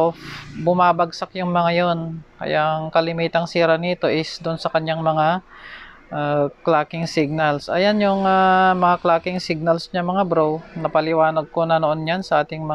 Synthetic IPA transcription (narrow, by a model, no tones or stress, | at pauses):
ofbʊmaːbɐɡsak̚jʊŋmɐŋajonkɐ̰jaʔɐŋkɐlɪmiːt̪ɐŋsiːɾɐniːt̪o̞ʔɪsd̪ʊnsɐkɐɲːaŋmɐŋa | ʔaklaːkɪŋsɪɡ̚nɐlsʔɐ̰janjʊŋamɐŋaklaːkɪŋsɪɡ̚nɐlsɲɐmɐŋabɾownɐpɐlɪwaːnɐɡ̚ko̞nɐnoʔonjansɐʔaːt̪ɪŋmɐ